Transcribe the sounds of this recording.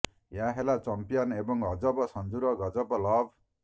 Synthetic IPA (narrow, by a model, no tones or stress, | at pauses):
jaɦelat͡sʌmpijanebʌŋɡʱʌd͡zʌbʌsʌnd͡zuɾʌɡʌd͡zʌbʌlʌb̚